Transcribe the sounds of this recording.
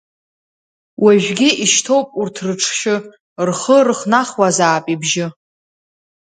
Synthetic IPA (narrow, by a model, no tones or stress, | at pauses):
wʔaʒᶣɡʲɪiʃtʰo̞wpʼurtʰrɨʈ͡ʂʰʃɪ | rχərɨχnaχwazaːpʼibʒɪ